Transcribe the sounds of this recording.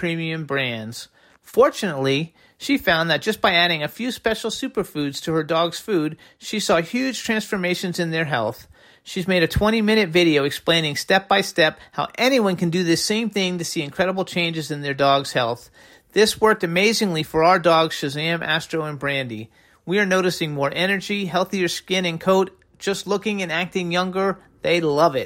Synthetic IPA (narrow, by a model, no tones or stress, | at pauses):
pʰɹ̥ĩmiɨ̃mbɹæ̃ndz̥ | fɔɹt͡ʃɨnətˡli | ʃifãʊ̃nðɨt̚d̥ʒ̥ʌsb̥aɪæɾɪ̃ŋɨfjʉspɛʃl̩ˠsʉpə˞fʉdz̥tʰɨə˞dɔɡz̥fud̥̚ | ʃisɔhjʉd̥ʒ̥tʰɹ̥æ̃nsfə˞meɪʃɨ̃nzɨ̃nðə˞ɦɛlˠθ | ʃizmeɪɾɨtʰw̥ɛ̃ɾ̃imɪ̃ñɨtvɪɾioʊɨksplẽɪ̃nɪ̃ŋstɛp̚b̥aɪstɛphaʊʔɛñiwʌ̃nkɨ̃ndɨðɪsẽɪ̃mθɪ̃ŋtɨsiɨ̃nkʰɹ̥ɛɾəbl̩ˠt͡ʃʰẽɪ̃nd͡ʒɨzɨ̃nðə˞dɔɡz̥hɛlˠθ | ðɪswɜ˞k̚tɨmeɪzɪ̃ŋlifə˞aʊə˞dɔɡz̥ʃɨzeɨ̃mʔæ̰stɹ̥oʊɨ̃nbɹæ̃ndḭ | wiə˞noʊɾɨsɪ̃ŋmɔɹʔɛnə˞d͡ʒiɦɛlˠθiə˞skɪ̃nɨ̃nkʰoʊt | d̥ʒ̥ʌstˡlʊkɪ̃ŋɨ̃næk̚tɪ̃ŋjʌ̃ŋɡə˞ | ðeɪlʌvɪt̚